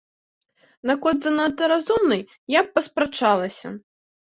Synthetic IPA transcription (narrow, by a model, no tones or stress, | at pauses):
nakɔd̪zɐnat̪ɐɾazumnɨj | jak̚pɐspɾat͡ʂalˠɐsʲɐ̰